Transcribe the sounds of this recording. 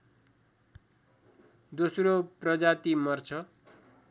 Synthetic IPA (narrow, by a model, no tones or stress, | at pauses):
d̪osroprʌd͡zat̪imʌrt͡sʰʌ